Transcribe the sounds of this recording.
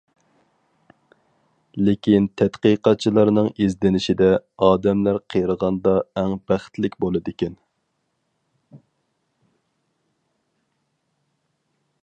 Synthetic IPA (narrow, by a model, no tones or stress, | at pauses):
lɪkʲint̪ʰɛt̪qiqɑt̪̚t͡ʃʰilˠɑɾnɨŋizd̪ɪnɪʃid̪ɛɑːd̪ɛmlæɾqʰəjɾəʁɑnd̪ɑɛŋbæχt̪lɪkʲbolˠɨd̪ɪkʲɛn